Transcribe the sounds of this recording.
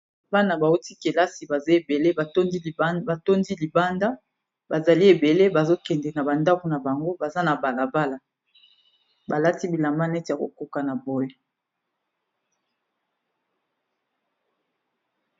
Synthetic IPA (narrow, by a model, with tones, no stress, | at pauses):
ba˦na˨ba˨o˦ti˦ke˨la˦si˨ba˨ze˦e˨be˨le˦ba˨to˦di˦˨˦ba˨to˦ndi˦li˨ba˦nda˦ | ba˨za˨li˦e˨be˨le˦ba˨zo˦kɛ˨ndɛ˨na˨ba˨nda˦ku˨na˨ba˨ŋɡo˦ba˨za˦na˨ba˨la˨ba˦la˨ | ba˨la˦ti˦bi˨la˨ma˦nɛ˦tja˨ko̰˨ko˨ka˨na˨bo˦je˦